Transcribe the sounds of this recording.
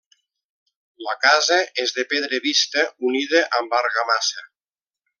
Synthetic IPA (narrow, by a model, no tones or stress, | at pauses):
ləkazəezðepeðɾeβist̪əuniðəʔambaɾɣamasə